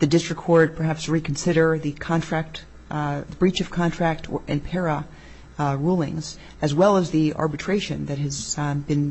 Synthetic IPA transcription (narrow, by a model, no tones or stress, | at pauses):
ðɨdɪstɹ̥ɨkʰɔɹd̚pʰə˞ɦæpsɹikʰn̩sɪɾə˞ðɨkʰɑ̃ntʰɹ̥æk̚t | ðɨbɹit͡ʃʌv̥kʰɑ̃ntʰɹ̥æk̚tʰʔɨ̃npʰɛɹə | ɹulˠɪ̰̃ŋz | ɨzwɛlˠəzðiɑ̰ɹbɨtʰɹ̥eɪʃɨ̰̃nðɨt̚ɦɨzbɨ̃n